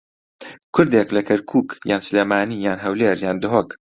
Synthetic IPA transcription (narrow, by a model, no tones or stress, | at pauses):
kʰʊɾd̪eːklɐkʰɐɾkʰuːkjaːnsleːmaːnijaːnɦɐwleːɾjaːnd̪ʊɦoːk